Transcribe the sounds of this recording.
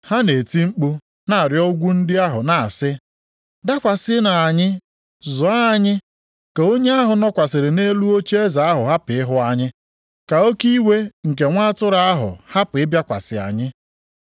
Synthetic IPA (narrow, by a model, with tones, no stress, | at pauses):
ha˦ne˨ti˦ŋ͡m̩˦k͡pu˦ | na˨a˨ɾjɔ˦ɡʷu˦n̩˦dɪ˦a˦ɦʊ˨na˨a˨sɪ˦ | da˦kʷa˨sɪ˦na˨a˨ɲɪ˦ | zʊ˨a˦˨ɲɪ˦ | ke˨o˦ɲe˦a˦ɦʊ˨nɔ˦kʷa˨sɪ˨ɾɪ˨ne˦lu˦o˦t͡ʃe˦e˦za˨a˦ɦʊ˨ɦa˦pɪ˨ɪ˦ɦʊ˦a˦ɲɪ˦ | ka˨o˦ki˦we˦ŋ̩˨k̬e˨ŋʷa˦tʊ˦ɾa˦a˦ɦʊ̰˨ha˦pʊ˨ɪ˦bja˦kʷa̰˨sɪ̰˨a̰˨ɲɪ˦